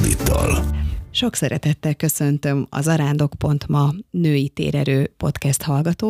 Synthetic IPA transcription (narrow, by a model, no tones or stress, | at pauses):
nit̪ːɒlʃo̞ksɛɾɛt̪ɛt̪ːɛlkø̞sønt̪ø̞mɒ̰zɒɾaːnd̪o̞kpo̞nt̪mɒnøːjit̪ḛːɾɛɾøːpo̞t̪kɛst̪hɒlɡɒt̪oː